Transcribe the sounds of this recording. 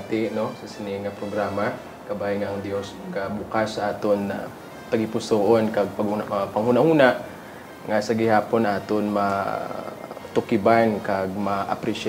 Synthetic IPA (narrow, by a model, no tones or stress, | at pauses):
t̪ɪnosɐsɪnɪŋɐpɾoɡɾaːma | kɐbaːhɪŋaʔɐŋd̪jo̞s | kɐbukasːɐʔaːt̪ona | t̪ɐɡɪpʊsoːʔonkɐɡ̚pɐɡhunpɐŋhuːnahuːnaʔ | ŋɐsɐɡɪhaːpo̞nɐŋʔaːt̪onma | t̪ʊkɪbankɐɡ̚maʔɐ̰pɾɪʃ